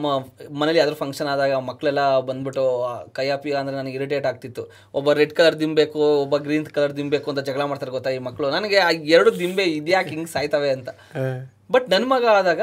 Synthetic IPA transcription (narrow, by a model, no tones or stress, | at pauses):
mɐmɐnelːiaːd̪ɐɾupʰɐŋkʂɐnaːd̪aːɡɐmɐkːɐɭɛlːɐbɐnd̪biʈokɐjaːpiɐːnd̪ɐɾenɐnɐɡiɾiʈ̬eːʈaːɡ̚t̪it̪ːu | ɔbːɐɾeɖkɐlɐɾd̪imbe̞ːkuɔbːɐɡɾiːnt̪kɐlɐɾd̪imbe̞ːkuɐnt̪ɐd͡ʒɐɡɭamaːɖt̪aːɾɡɔt̪ːaimɐkːɐɭunɐnɐɡe̞aɛɾɐɽud̪imbeid̪jaːkiŋɡsaːjt̪ɐʋeɐnt̪ɐ | bɐʈnɐnːmɐɡɐaːd̪aːɡɐ